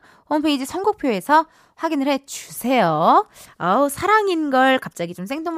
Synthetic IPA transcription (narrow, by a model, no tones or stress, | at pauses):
hompʰeid͡ʑisʰʌnɡuk̚pʰjoe̞sʰʌ | ɸwaɡinɯɭhe̞t͡ɕusʰe̞joasʰaɾaŋinɡʌɭkap̚t͡ɕ͈aɡit͡ɕomsʰe̞ŋdoŋ